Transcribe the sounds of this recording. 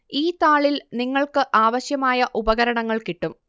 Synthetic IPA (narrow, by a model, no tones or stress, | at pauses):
iːt̪aːɭilniŋːɐɭkɨʔaːʋɐɕjɐmaːjɐʔubɐɣɐɾɐɳɐŋːɐɭkiʈːum